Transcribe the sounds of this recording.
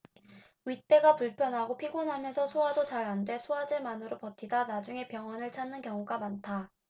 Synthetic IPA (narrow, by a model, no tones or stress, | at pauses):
ɥit̚p͈e̞ɡapuɭpʰjʌnɦaɡopʰiɡonɦamjʌnsʰʌsʰoadot͡ɕaɾɦandwe̞sʰoad͡ʑemanɯɾopʌtʰidanad͡ʑuŋe̞pjʌŋwʌnɯɭt͡ɕʰanːɯnkjʌŋuɡamantʰa